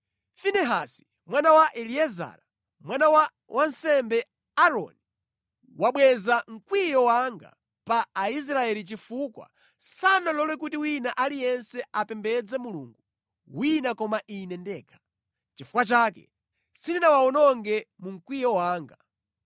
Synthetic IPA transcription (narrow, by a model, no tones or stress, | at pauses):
finɛɦasi̥ | mwanawaʔɛliɛza̰ːɾa | mwanawa | wʔansɛmbɛ | aɾɔ̰ni | waɓwɛzaŋ̩kwijɔwaŋɡa̰ | paːis̬ɾaɛlit͡ʃifukwa̰ | sanalɔlwɛk̬utiwinaʔalijɛnsɛapɛmbɛd͡zɛmulṵŋɡu | winakɔmaʔinɛndɛːkʰḁ | t͡ʃifu̥kwat͡ʃaːkɛ̰ | sininawaɔnɔŋɡɛmuŋ̩kwijɔwaːŋɡa